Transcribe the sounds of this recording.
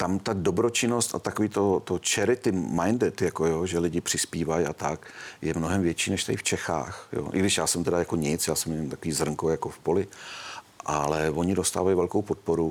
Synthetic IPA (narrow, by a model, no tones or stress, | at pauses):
t̪amt̪ado̞bɾot͡ʃɪno̞st̪a̰t̪akoviːt̪o̞t̪ot͡ʃɛɾɪt̪ɪmajndɛt̪jako̞joʒɛlɪɟɪpr̝̥ɪspiːvaja̰t̪akjɛmnoɦɛmvjɛt͡ʃiːnɛʃt̪adɪft͡ʃɛxa̰ːxjo̰ʔɪ̰ɡdɪʃjaːsɛmt̪ɛdajakoɲɪt͡sjaːsɛmɛɲɛmt̪akoviːzr̩ŋkojakofpo̞lɪ | ʔalɛvo̞ɲɪdost̪a̰ːvajvɛlkowpot̪̚poɾu